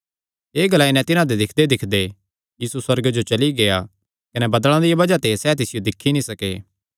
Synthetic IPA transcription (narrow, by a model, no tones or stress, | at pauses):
eːɡɐlainɛ̃t̪ɪnãd̪ed̪ɪkʰd̪ed̪ɪkʰd̪e | jiːsuswɐɾɡd͡ʒot͡ʃɐliɡea | kɐnɛbɐd̪əɭ̃ãd̪ijabɐd͡ʒat̪esɛt̪ɪsɪjod̪ɪkʰːinĩsɐkḛː